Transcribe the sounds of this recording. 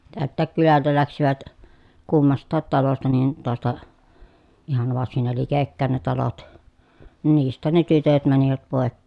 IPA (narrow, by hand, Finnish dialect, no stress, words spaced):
tæltˑæːk kylæltæ læksiʋæt kumːɑstˑɑːt tɑlostɑ nin toɑstɑ ihɑn ʋɑrsin ne likekːæˑen ne tɑlot nin niːstˑæːn ne tytøt mæniʋæt poˑekːeːn